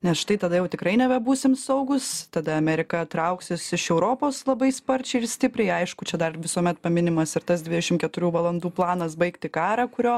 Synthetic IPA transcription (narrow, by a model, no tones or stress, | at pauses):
nʲɛsʃt̪ɐɪt̪ɐd̪ɐjɛʊt̪ʲɪkɾɐɪnʲɛbʲɛbuːsʲɪmsɐʊɡʊst̪ɐd̪ɐɐmʲɛɾʲɪkɐt̪ɾɐʊksʲɪsɪʃɛʊɾoːpoːslˠɐbɐɪspɐɾʲt͡ʃʲɛɪɪrsʲt̪ʲɪpʲɾʲɛɪɐɪʃkʊt͡ʃʲɛd̪ɐrʋʲɪsuɔmʲɛt̪pɐmʲɪnʲɪmɐsɪɾt̪ɐsd̪ʲʋʲɪd̪ʲɛʃʲɪmkʲɛt̪ʊɾʲuːʋɐlˠɐnd̪uːplˠɑːnɐs̬bɐɪkt̪ʲɪkɑːɾɐkʊɾʲoː